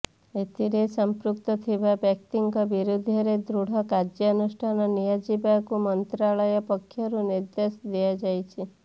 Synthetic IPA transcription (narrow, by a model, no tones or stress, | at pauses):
et̪iɾesəmpɾuk̚t̪ɔt̪ʰibabɛkʈiŋkɔbiɾud̪ʱjɔɾed̪ɾuɽ̤ɔkad͡ʒjɔnusʈʰanɔnijad͡ʒibakumɔnt̪ɾaɭəjɔpɔkʰːjɔɾuniɾd̪esd̪iad͡ʒajt͡ʃʰi